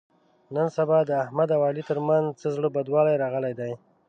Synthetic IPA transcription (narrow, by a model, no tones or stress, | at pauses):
nənsabɑd̪əahmad̪awɑlit̪əɾmanzt͡səzɽəbad̪wɑlajɾɑɣəlajd̪aj